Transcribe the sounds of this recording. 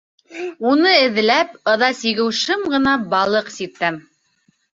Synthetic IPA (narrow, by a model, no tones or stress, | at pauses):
unɤɘ̆ð̆læp̚ɤ̆ðɑsiɣɘ̆wʃɘmɢɤ̆nɑbɑlˠɤqsit̪ːæm